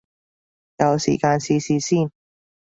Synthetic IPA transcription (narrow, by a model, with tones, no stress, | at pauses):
jɐ˨˧wsḭ˨˩kaː˧nsiː˧siː˨˧siː˥˩n